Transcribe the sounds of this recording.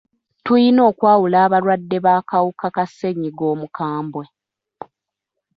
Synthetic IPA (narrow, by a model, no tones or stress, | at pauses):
tujino̞ːkwaːwulaːβaɾwadːe̞βaːkawukakasːe̞ɲiɡo̞ːmukʰaːmbwe